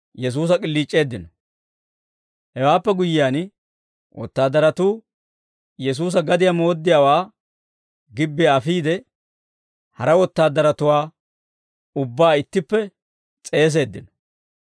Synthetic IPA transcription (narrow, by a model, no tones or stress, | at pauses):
jɛs̬uːs̬ɐkʼɪlːiːt͡ʃʼːe̞ːd̪ːɪnɔ | hɛwaːpːɛɡʊjɪjaːn | wʔɔ̰t̪ːaːd̪ːɐɾɐt̪uː | jɛs̬uːs̬ɐɡɐd̪ɪjamo̞ːd̪ːɪjaːwaː | ɡɪbːeɐfiːd̪ɛ | hɐɾɐwɔt̪ːaːd̪ːɐɾɐt̪ʊwaː | ʊbːaːɪt̪ːɪpːɛ | t͡sʼe̞ːs̬e̞ːd̪ːɪnɔ